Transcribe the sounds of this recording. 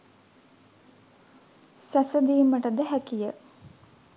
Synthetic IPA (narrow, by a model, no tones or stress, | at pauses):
sæsəd̪iːməʈəd̪əɦækijə